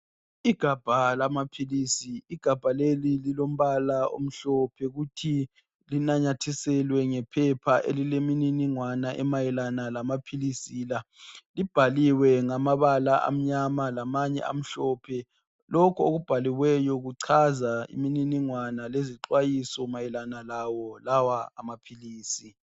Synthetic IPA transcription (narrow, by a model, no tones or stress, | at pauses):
iɡ̥ʱab̥ʱalamapʰiliːsiiɡ̥ʱab̥ʱalelililom̩βalao̰m̩ɬɔpʰɛɣutʰi | linaɲatʰisɛlwɛŋɛpʰɛpʰaʔḛlilemininiŋwanaʔɛ̰majɛlanalamapʰilisilalib̥ʱaliwɛŋamaβalaʔa̰m̩ɲamalamaɲɛ̰ʔa̰m̩ɬɔpʰɛ | lɔkʰuoɣub̥ʱaliwɛjɔɣuǀʰazaḭmininiŋwanaleziǃwajisɔmajɛlanalawɔlawaamapʰiliːsi